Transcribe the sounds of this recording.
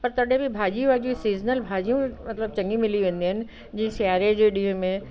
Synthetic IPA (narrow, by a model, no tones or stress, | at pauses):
pɐɾt̪ɐɗɦẽbʱɪbʱaːd͡ʑiũad͡ʑuisiːznəlbʱaːd͡ʑijũmɐt̪ləb̚t͡ɕɐ̃ŋɡimɪliʋẽːnd̪iɦɪnɪ̆ | d͡ʑĩːɪ̃sjaːɾed͡ʑeːɗiːɦʊ̃mẽ